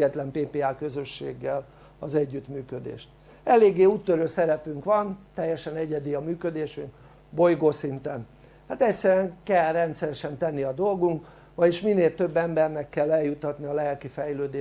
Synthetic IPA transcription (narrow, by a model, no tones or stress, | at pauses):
ɛt̪lɛmpeːpeːaːkø̞zø̞ʃːḛːɡːɛl | ɒzɛɟːyt̪myːkø̞d̪ḛːʃt̪ | ɛleːɡːeːuːt̪ːøɾøːsɛɾɛpyŋkʋɒnt̪ɛjːɛʃɛnɛɟɛd̪iɒmyːkø̞d̪eːʃyŋk | bo̞jɡoːsint̪ɛn | haːt̪ɛcʲsɛɾyɛŋkɛlrɛnt̪sɛɾɛʃɛnt̪ɛnːiɒd̪o̞lɡuŋk | ʋɒɟiʃminːeːlt̪ø̞bːɛmbɛrnɛkːɛlːɛljut̪ːɒt̪niɒlɛlkifɛjløːd̪eː